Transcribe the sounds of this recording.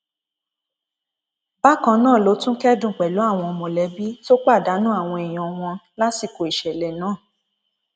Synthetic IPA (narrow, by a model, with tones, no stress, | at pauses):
ba˦kã˧nãː˦˨lo˨˦tũ˦kɛ˦dũ˦˨k͡pɛ˨lu˨˦a˦˨w̃ɔ̃˧o˧mõ˨lɛ˨˦bi˦to˦k͡pa˦˨da˨˦nũ˦a˦˨w̃ɔ̃˧ɛ˨j̃ɔ̃˨w̃ɔ̃˧la˦si˨ko˨i˨ʃɛ˨lɛ˨nãː˨˦˨